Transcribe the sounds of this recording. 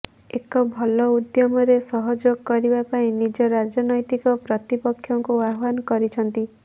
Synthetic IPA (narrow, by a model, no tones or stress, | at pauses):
ekɔbʱɔlɔud̪jɔmɔɾesɔɦɔd͡ʒoɡkːɔɾibapaĩnid͡ʒɔɾad͡ʒɔnɔjt̪ikɔpɾɔt̪ipɔkʰːjɔŋkuaɦbanɔkɔɾit͡ʃʰɔnt̪i